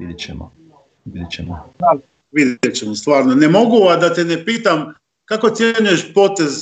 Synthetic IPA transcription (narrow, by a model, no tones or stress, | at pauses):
id̪et͡ʃɛ̰mo̰ | ʋid̪ʲet͡ɕemoa | ʋid̪jet͡ɕemost̪ʋaːɾnone̞mo̞ɡuad̪at̪enepiːt̪am | kako̞t̪sʲjeɲuje̞ʃpo̞t̪e̞z